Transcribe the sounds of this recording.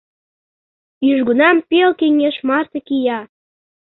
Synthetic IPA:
yʒɡunɑmpelkeŋeʃmɑrt̪ɤ̆kijɑ

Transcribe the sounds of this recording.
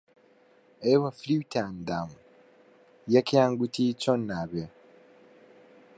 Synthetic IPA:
ewaflitʰandam | jakjaːŋɡutit͡ʃonaβe

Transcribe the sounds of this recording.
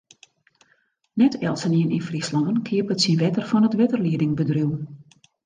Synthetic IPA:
nɛtʰɛlˠsəniənʔinfrislɔŋənkʰɪəpətsinʋɛtərfɔnətʋɪtərliədɪŋbədruw

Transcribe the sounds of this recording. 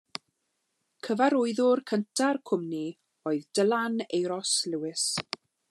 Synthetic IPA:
kʰəvaɾʊɨðʊrkʰəntʰarkʰʊmni | oɨðdəlanejɾɔslɪwɪs

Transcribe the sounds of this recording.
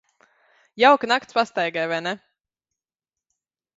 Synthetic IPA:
jawknakt̪spast̪ajɡajvajnɛ

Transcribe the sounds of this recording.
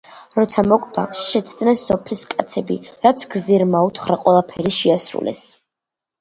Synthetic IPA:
ɾɔt̪sʰamɔkʼd̪ʼa̰ʃɛt̪sʰd̪nɛsɔpʰliskʼat̪sʰɛbiɾat̪sʰɡziɾmaut̪ʰχɾaqʼwɛlˠapʰɛɾiʃiasɾṵlɛ̰s

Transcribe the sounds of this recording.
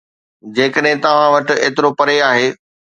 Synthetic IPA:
d͡ʑeːkəɗɦɪ̃t̪ɐʋ̤ãʋɐʈɪ̆eːt̪ɪɾopɐɾeaːɦeː

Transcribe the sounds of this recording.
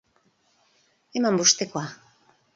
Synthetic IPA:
emambuʃt̪ekoa

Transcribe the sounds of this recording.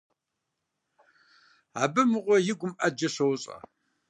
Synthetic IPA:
abɨmɨʁʷɔjɪɡʷʊmʔɐd͡ʒɐɕɐwɕʼɐ̰

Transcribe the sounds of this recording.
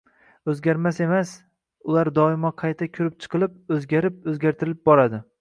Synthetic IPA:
ɵzɡʲaɾmase̞mas | ʊlˠaɾd̪ɒɪmɒqʰɑjt̪ʰakʲʰʊɾɪp̚t͡ʃʰɨ̥qʰɨlˠɪp̚ɵzɡʲaɾɪp̚ɵzɡʲaɾt̪ʰɪɾɪlɪp̚bɒɾad̪ɪ

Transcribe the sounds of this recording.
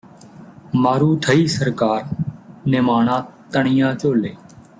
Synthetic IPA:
maːɾuːʈʰəiːsəɾkaːɾnɪmaːɳãːt̪əɳɪjãːt͡ʃoːleː

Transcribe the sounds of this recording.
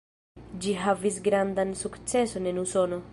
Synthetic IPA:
d͡ʒiɦavisɡɾand̪ansukt͡se̞so̞ne̞nuso̞no̞

